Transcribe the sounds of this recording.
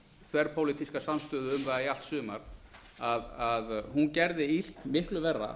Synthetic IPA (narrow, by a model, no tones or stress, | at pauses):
θvɛɾ̥pʰowliːt̪iskasamst̪ʏːðʏʏmvaðaial̥t̪sʏːma̰ɾ̥ | aðaðhuncɛɾðɪil̥t̪mɪhklʏvɛrːa̰